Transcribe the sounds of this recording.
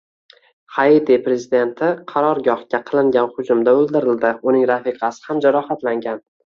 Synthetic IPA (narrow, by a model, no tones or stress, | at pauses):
hajit̪epɾe̞zɪd̪e̞nt̪ʰɪqʰɑɾɒɾɡʲɒhkʲaqʰɨlˠɪŋɡʲanχʊd͡ʒʊmd̪aɵlˠd̪ɪɾɪld̪ɪʊnɪŋɾafiqʰɑsɪ̥hamd͡ʒaɾɒhat̪laŋɡʲan